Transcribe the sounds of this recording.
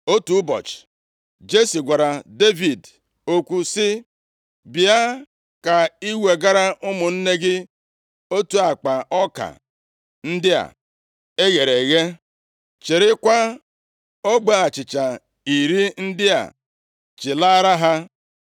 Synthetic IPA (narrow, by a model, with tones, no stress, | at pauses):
o˦tu˨˦bɔ̰˨t͡ʃ | d͡ʒe˦si˨ɡʷa˨ɾa˨de˦vi˨d | o˦kʷu˦sɪ˦ | bɪ˨a˦ | ka˨i˦we˨ɡa˦ɾa˦ʔʊ˦mʊ˨n̩˦ne˦ɡɪ˦ | o˦tu˦a˨k͡pa˨ʔɔ˦ka̰˨ | n̩˦dɪ˦a̰˨ | e˦ɣe˨ɾe˨ɣe˦ | t͡ʃe˨ɾɪ˦kʷa˦ | o˦ɡ͡ba˦a˨t͡ʃɪ˨t͡ʃa˨ | i˨ɾi˦n̩˦dɪ˦a̰˨ | t͡ʃɪ˨la˦ɾa˦ɦa˦